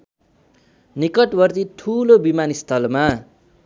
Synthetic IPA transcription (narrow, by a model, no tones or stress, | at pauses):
nikʌʈbʌrt̪it̪ʰulobimanist̪ʰʌlma